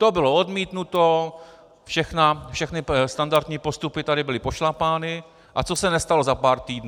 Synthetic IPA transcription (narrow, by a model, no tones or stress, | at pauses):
t̪obɪlo̞odmiːt̪nut̪o̞ | fʃɛxnafʃɛxnɪst̪andaɾt̪ɲiːpost̪upɪt̪adɪbɪlɪpo̞ʃlapaːnɪ | ʔat͡sosɛnɛst̪alozapaːɾt̪iːdn